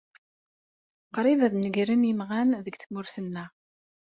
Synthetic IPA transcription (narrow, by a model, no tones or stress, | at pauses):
qːɾˤivæðnəɡɾinimʁænðəɡθmʊɾθənːæ